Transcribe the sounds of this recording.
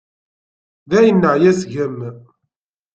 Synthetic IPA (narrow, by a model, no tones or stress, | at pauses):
ðæjənːəʕjæsʝəm